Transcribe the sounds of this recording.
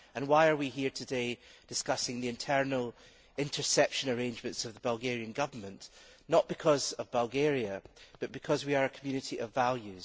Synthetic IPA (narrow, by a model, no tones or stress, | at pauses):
ə̃nwaɪə˞wiɦiɹtʰɨded̥ɪskʌsɪ̃ŋðiɪ̃ntʰɜ˞nəl̩ˠ | ɪ̃ntʰə˞sɛpʃə̃nə˞ẽnd͡ʒmə̃ntsʌvðəbəlˠɡɛɹiɨ̃nɡʌvə˞mə̃nʔ | nəʔb̥ɪkʰɔzʌvbəlˠɡeɹiəb̥ʌʔb̥ɨkʰʌzwiə˞ɨkʰəmjʉnɪʔiʔəvːalˠjʉz̥